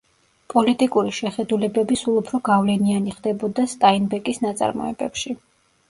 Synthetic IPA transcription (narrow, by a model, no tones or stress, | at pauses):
pʼɔlit̪ʼikʼuɾiʃɛχɛd̪ulɛbɛbisulˠupʰɾɔɡavlɛnianiχd̪ɛbɔd̪ast̪ʼainbɛkʼisnat̪sʼa̰ɾmɔ̰ɛ̰bɛpʃi